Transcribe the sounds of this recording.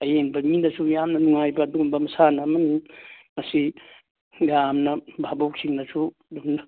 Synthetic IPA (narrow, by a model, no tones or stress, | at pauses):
ɐjeŋbɐminɐsujamnɐnuŋajbɐːdumbɐmɐsanɐːmɐnimɐsi | jamnɐbʱabowk̚siŋnɐsu | dunɐ